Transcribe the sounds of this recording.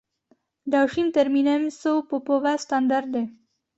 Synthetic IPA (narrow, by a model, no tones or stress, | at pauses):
ɖawʂint̪aɾminamisopopovast̪and̪aɾ̚d̪e